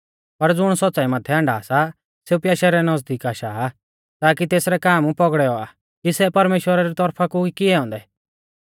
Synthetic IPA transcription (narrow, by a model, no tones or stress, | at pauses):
pɐɾd͡zʊɽ̃sɔtːt͡saimɐt̪ʰɛɐ̃ɳɖaːsa | seupjaːʃɛɾɛnɔd͡zd̪iːkaːʃaː | t̪aːk̬it̪eːsɾɛkaːmũpɔɡɽɛɔa̰ | kisɛpɐɾmeːʃwəɾaɾit̪ɔɾpʰakuikɪɛɦɔ̃ːnd̪ɛ